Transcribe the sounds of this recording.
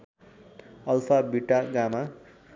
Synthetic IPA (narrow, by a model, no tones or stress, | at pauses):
ʌlpʰabiʈaɡama